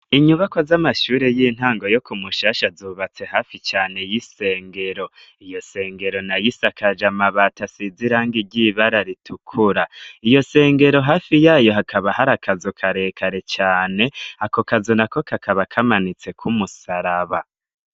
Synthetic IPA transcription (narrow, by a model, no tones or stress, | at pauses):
iɲuβakozamaʃuːɾe̞jin̥haːŋɡo̞jokumuʃaːʃazuβat͡se̞haːfit͡ʃaːne̞jise̞ːŋɡe̞ɾo̞ | ijo̞se̞ːŋɡe̞ɾo̞najisakʰad͡ʒamaβatasiziɾaːŋɡiɟiβaɾaɾitʰukʰuɾaijo̞se̞ːŋɡe̞ɾo̞ɦaːfijaːjo̞ɦakʰaβahaɾakʰazokʰaɾe̞ːkʰaɾe̞t͡ʃaːne̞ako̞kazonako̞kʰakʰaβakʰamanit͡se̞kʰumusaɾaβa